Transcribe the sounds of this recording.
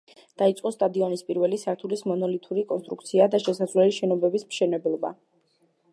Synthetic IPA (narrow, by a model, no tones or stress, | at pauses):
d̪̥ait̪sʼqʼɔst̪ʼad̪iɔnispʼiɾvɛlisaɾt̪ʰulismɔnɔlit̪ʰʼuɾikʼɔnst̪ʼɾṵkt̪sʰiad̪aʃɛsad̪zvlɛliʃɛnɔbɛbismʃɛnɛblˠɔba̰